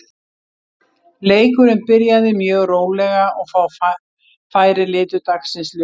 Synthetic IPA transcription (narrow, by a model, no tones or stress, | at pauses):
leːjkʏɾɪnpɪɾjaðɪmjœːɣroːwlɛɣaʔɔɣfaw | faːjɾɪlɪːt̪ʏt̪aksɪnsl